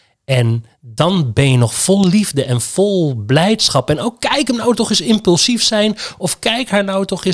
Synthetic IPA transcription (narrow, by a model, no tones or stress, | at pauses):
ɛn | dɑnbɛnjənɔχfɔlˠlivdəʔɛnv̥ɔlˠblɛjtsχɑpɛnowkːɛjkəmnawtɔχɪsɪmpɵlˠsifsɛjnɔfkɛjkɦaːɹnawtɔχɪ